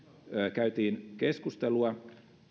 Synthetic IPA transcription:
kæyt̪iːnkeskust̪eluɑ

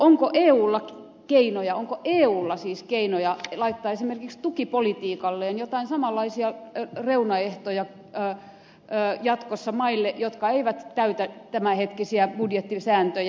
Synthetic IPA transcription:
oŋkoʔeːuːlːɑk | keinojɑoŋkoʔeːuːlːɑsiːskeinojɑlɑit̪ːɑːesimerkikst̪ukipolit̪iːkɑlːeːnjot̪ɑinsɑmɑlːɑisiɑreunɑeht̪ojɑː | jɑt̪kosːɑmɑilːeʔjot̪kɑeiʋæt̪t̪æyt̪æt̪æmæhet̪kisiæb̥udjet̪ːisæːnt̪øj

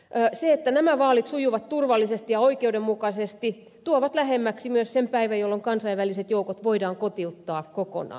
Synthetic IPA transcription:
øːseet̪ːænæmæʋɑːlit̪sujuʋɑt̪t̪urʋɑlːisest̪ijɑoikeudemmukɑsest̪i | t̪uoʋɑt̪læhemːæksimyøssempæiʋæjolːoŋkɑnsɑiʋʋæliset̪joukot̪ʋoidɑːŋkot̪iut̪ːɑːkoko̰nɑ̰ː

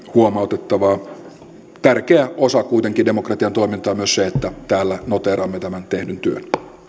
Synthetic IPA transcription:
huomɑot̪et̪ːɑʋɑː | t̪ærkeæʔosɑkuit̪eŋkidemokrɑt̪iɑnt̪oimint̪ɑːmyøsseet̪ːæt̪æːlːænot̪eːɾɑmːet̪æmænt̪ehdynt̪yø̰n

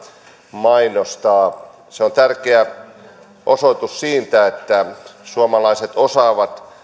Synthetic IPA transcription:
mɑinost̪ɑː | seont̪ærkeæ | ʔosot̪ussiːnt̪æet̪ːæsuomɑlɑiset̪osɑːʋɑt̪

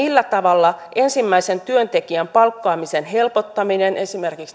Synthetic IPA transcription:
ilːæt̪ɑʋɑlːɑʔe̞nsimːæise̞nt̪yønt̪e̞kiæmpɑlkːoɑːmisenɦe̞lpo̞t̪ːɑminenʔe̞sime̞rkiks

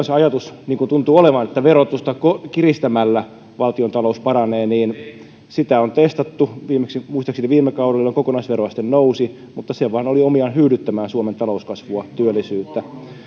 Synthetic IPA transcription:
sɑjɑt̪usniːŋkunt̪unt̪uoleʋɑnet̪ːæʋerot̪ust̪ɑkokirist̪æmælːæ | ʋɑlt̪iont̪ɑlouspɑɾɑneːniːn | sit̪æont̪est̪ɑt̪ːuʋiːmeksimuist̪ɑksineʋiːmːekɑuɾelolːeŋkokonɑisʋerojɑst̪ennousi | mut̪ːɑseʋɑːnoliomiɑnhyːɾyt̪ːæmæːnsuoment̪ɑlouskɑsʋuɑt̪yølːˑisyːt̪ːæ

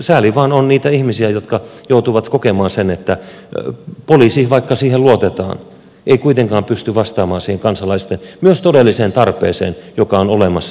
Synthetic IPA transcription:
sæːliʋɑːnonniːt̪æihmisiæjot̪kɑjout̪uʋɑt̪kokemɑːnsenet̪ːæ | poliːsihʋɑikːɑsiːheluot̪et̪ɑ̰ːn | ʔeikuit̪eŋkɑːmpyst̪yʋɑst̪ɑːmɑːnsiːheŋkɑnsɑlɑist̪enmyøst̪odelːiseːnt̪ɑrpˑḛːsḛːnjokɑonolemɑs

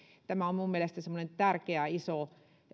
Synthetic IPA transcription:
t̪æmæommummielest̪æsemːonent̪ærkeæiso

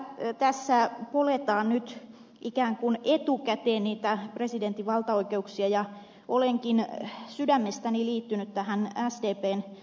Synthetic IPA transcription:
t̪æsːæpolet̪ɑːnnyt̪ | ʔikæːŋkunet̪ukæt̪eːnniːt̪æpresident̪ːiʋɑlt̪ɑoikeuksiɑjɑ | ʔoleŋkinsydæmːest̪æniliːt̪ːynyt̪t̪æhænæsdeːpeːn

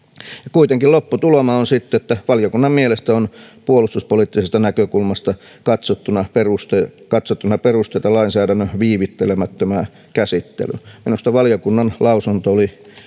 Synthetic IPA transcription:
jɑkuit̪eŋkilopːut̪ulomɑonsit̪ːeet̪ːæʋɑljokunːɑmmielest̪æonpuolust̪uspoliːˑt̪ːisest̪ɑnækøkulmɑst̪ɑ | kɑt̪sot̪ːunɑperust̪kɑt̪sot̪ːunɑperust̪eit̪ɑlɑinsæːdænːøʋiːʋit̪ːelemæt̪ːømæ | kæsit̪ːḛlyminust̪ɑʋɑljokunːɑnlɑusunt̪ooli

